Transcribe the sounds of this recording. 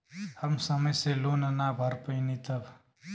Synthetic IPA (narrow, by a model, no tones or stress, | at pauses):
hʌmsəmʌjselonənabʱʌɾpəjnit̪ʌb